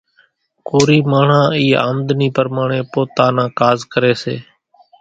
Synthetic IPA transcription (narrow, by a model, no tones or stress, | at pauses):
koːɾiːmaːɳ̤ãːiːa̰ːmd̪niːpəɾmaːɳẽːpoːt̪aːnãːkaːzkəɾeːsḛː